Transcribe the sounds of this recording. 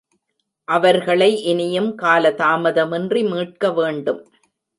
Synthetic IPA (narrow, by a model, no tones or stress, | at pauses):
ʔɐʋɐɾɣɐɭɐɪʔɪnɪjɯmkaːlɐt̪aːmɐðɐmɪndrimiːʈ̚kɐʋeːɳɖɯm